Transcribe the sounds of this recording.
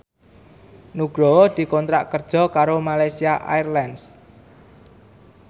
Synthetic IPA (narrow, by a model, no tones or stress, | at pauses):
nuɡ̥ɾod̪̥i̤kɔnt̪ɾaʔkərd̥ʒ̥ɔ̤kaɾomalajsiaʔa̰jrlɛns